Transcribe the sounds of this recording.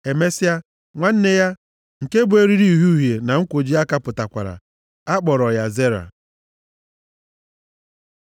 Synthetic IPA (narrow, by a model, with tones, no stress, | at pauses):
e˨me˦si˦a˦ | ŋʷa˦n̩˦ne˦ja˦ | ŋ̩˨ke˦bu˨e˦ɾi˦ɾi˦i˨ɦu˦˨ɦje˨na˨ŋ̩˦kʷo˨d͡ʒi˦a˦ka˦pʊ˨ta˨kʷa̰˨ɾa̰˨ | a˦k͡pɔ˨ɾɔ˨ja˨ze˦ɾa̰˨